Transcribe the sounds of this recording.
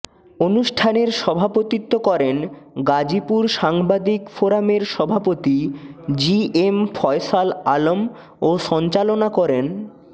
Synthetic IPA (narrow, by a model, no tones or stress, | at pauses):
onuʃʈʰaneɾʃɔbʱapot̪it̪ːokɔɾenɡad͡ʑipuɾʃaŋbad̪ikfoɾameɾʃɔbʱapot̪id͡ʑiemfʰɔesalalom | oʃɔnt͡ɕalonakɔɾen